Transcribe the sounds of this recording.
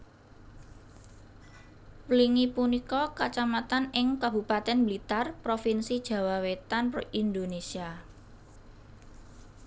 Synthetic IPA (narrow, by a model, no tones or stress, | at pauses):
wliŋipunikɔkat͡ʃamat̪anɪŋkab̥upat̪ɛnblit̪arpɾofinsid̥ʒ̥ä̤wawet̪anpind̪onesia